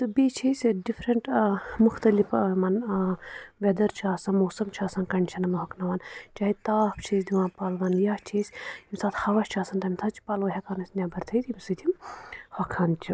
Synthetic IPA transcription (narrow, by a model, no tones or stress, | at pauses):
t̪ɨbet͡ʃʰesʲɖifɾɐɳʈmuxt̪ɐlifmɐn | ʋʲed̪ɐɾt͡ʃʰaːsɐnmoːsɐmt͡ʃʰaːsɐnkɐɳt͡ʃʰɐnɐmɐɦɐknɐʋant͡ʃaːɦit̪aːpt͡ʃʰisd̪iwãːnpaːlʋɐnjaːht͡ʃʰesʲimsaːt̪hɐʋɐʃt͡ʃʰaːsɐnt̪ɐimsʰaːt̪̚t͡ʃʰi̥paːlʋɐɦɐkaːnɐsʲnʲjaːbɐɾt̪ʰɐd̪ʲimsɨt̪ʰimhɐkʰant͡ʃʰi